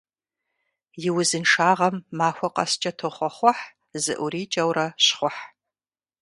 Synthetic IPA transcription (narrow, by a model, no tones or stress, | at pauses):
jɪwʊzɨnʂaːʁɐmːaːxʷɔqʼɐ̰st͡ʃʼɐtʰɨχʷɔχʷɔħ | zɨ̰ʔʷʊriːt͡ʃʼɐwrɐɕχʷɔħ